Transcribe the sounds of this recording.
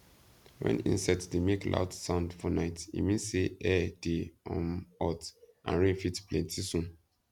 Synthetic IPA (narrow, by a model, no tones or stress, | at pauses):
wɛ̰̃nḭ̃nsaɪtdemeklʔa̰ʊdsãʊ̃ndfɔnaɪtḭmĩnseʔɛd̥eɔ̃mɔtʔã̰nɹẽnfitplɛ̃ntʰisũn